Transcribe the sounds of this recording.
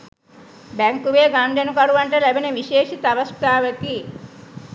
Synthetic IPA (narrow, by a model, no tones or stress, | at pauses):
bɛŋkuʋeːɡaːnd͡ʒɐnukɐɽuʋɐɳʈɐlɐbineʋiʃeːʃit̪ɐʋɐst̪aːʋɐki